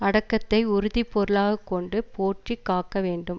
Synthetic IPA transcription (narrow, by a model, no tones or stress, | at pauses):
ɐɽɐkːɐt̪ːɐɪʊɾʊðipːɔɾɯɭaːɣɐkːɔɳɖɯpoːʈrikːaːkːɐʋeːɳɖɯm